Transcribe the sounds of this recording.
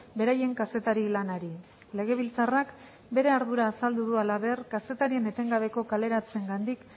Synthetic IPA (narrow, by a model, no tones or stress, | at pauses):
be̞ɾaje̞ŋkase̞t̪aɾilanaɾi | le̞ɣ̞e̞β̞ilt͡sarak | be̞ɾe̞aɾðuɾaːsald̪uðualaβe̞rkase̞t̪aɾie̞ne̞t̪e̞ŋɡaβ̞e̞ko̞kale̞ɾat͡se̞ŋɡand̪ik